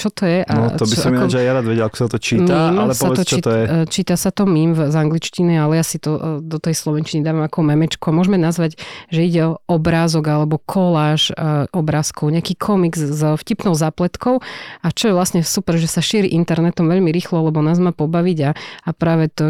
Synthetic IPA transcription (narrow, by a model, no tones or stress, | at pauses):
t͡ʃɔt̪ɔjɛʔaɔɔbiɔamiɔad͡ʒajaɾaːd̪ʋɛɟɛlakɔ̥sat̪ɔt͡ʃiːmaimlɛsɔaɛɔt͡ʃɔt̪ɔɛt͡ʃiːt̪asat̪ɔmimvzaŋɡlit͡ʃcinialɛjaːsit̪ɔd̪ɔt̪ɛjslɔʋɛnt͡ʃinid̪aːʋamakɔmɛmɛt͡ʃkuamʊɔʒmɛnazʋaɟʒɛiɟɛɔʔɔbɾaːzɔɡalɛbɔkʰɔlaːʃɔbɾaːskɔʊɲɛakiːkʰɔmiɡzzfcipnɔʊzaːplɛt̪kɔʊat͡ʃɔjɛʋlasɲɛsupɛɾʒɛsaʃiɾiʔint̪ɛɾnɛt̪ɔmʋɛʎmiɾiːxlɔlɛbɔnaːzmaːpɔbaʋiɟaapɾaːʋɛt̪ɔ